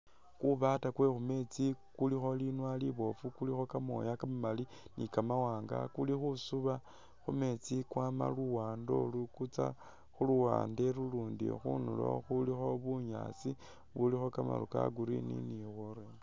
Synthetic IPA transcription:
kuβatakwe̞xume̞t͡sikulixo̞linwaliβo̞fukulixo̞kamo̰jakamamali | nikamawaːŋɡa̰kulixusuβa | xume̞t͡sikwama̰luwaːndo̞lukut͡sa̰ | xuluwa̰ːndeɾuluːndḭxunulo̞̰xulixo̞βuɲa̰ːt͡si | βulixo̞kama̰luka̰ɡuɾḭnḭniwoɾe

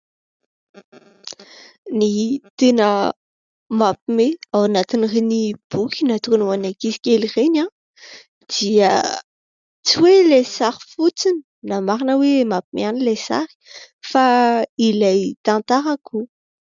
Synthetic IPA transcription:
nit̪enə | mapimeawanat̪inirenib̥ukʰʲinat̪ukanwanakisi̥kʲelirena | d̪̥iə | t͡siwelesaɾifut͡sini̥ | namaɾinəwemapimeanilesa̰ɾi̥ | failajt̪ant̪aɾakʰu

